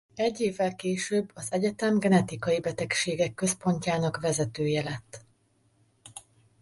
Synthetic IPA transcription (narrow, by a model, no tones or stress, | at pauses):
ɛɟːeːvːɛlkeːʃøːbːɒzɛɟɛt̪ɛmɡɛnɛt̪ikɒjibɛt̪ɛkʃeːɡɛkːøspo̞ɲcaːnɒkvɛzɛt̪øːjɛlɛt̪ː